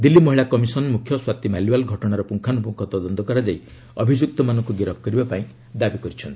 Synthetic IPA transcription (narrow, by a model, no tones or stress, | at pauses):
d̪ilːimɔɦiɭakɔmisɔnmukʰːjɔswat̪imaliwalɡʱɔʈɔɽ̃aɾɔpuŋkʰanupuŋkʰɔt̪ɔd̪ɔnt̪ɔkɔɾad͡ʒai | ɔbʱid͡ʒuk̚t̪ɔmanɔŋkuɡiɾɔp̚ʰkɔɾibapaĩ | d̪abikɔɾit͡ʃʰɔnt̪i